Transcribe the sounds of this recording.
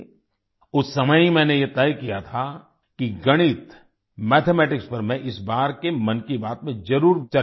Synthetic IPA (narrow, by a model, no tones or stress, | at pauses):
ʊsːɐməjimɛ̃ːnejet̪ɛjkijat̪ʰa | kiɡɐɽ̃ɪt̪ | mɛːt̪ʰemɛːʈɪkspɐɾmɛ̃ʔɪsbaːɾkemɐ̃nkibaːt̪mẽzɐɾuːɾt͡ʃa